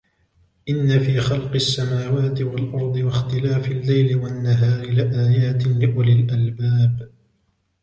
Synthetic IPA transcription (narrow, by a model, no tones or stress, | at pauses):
ʔɪnːafiːxɑlqɪʔsːamaːwaːt̪ɪwalʔɑɾˤd̪ˤɨwaxt̪ɪlaːfalːajlɪwanːaɦaːɾɪlɪʔaːjaːt̪ɪlɪʔʊlɪlʔalbaːb